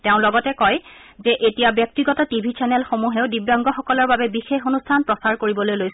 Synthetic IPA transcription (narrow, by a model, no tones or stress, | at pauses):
teʊ̃lɔɡɔtɛkɔjzɛʔetijabjɔk̚tiɡɔtɔtibʱit͡ʃɛnɛlxomuɦeʊdibjɔŋɡɔxɔkɔlɔɹbabɛbixexonustʰanpɹɔsaɹkoɹibɔlojlojs